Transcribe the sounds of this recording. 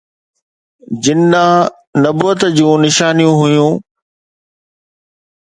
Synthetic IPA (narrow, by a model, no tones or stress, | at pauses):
d͡ʑɪnːã | nɐbət̪d͡ʑũːnɪʃaːnijũɦʊjũː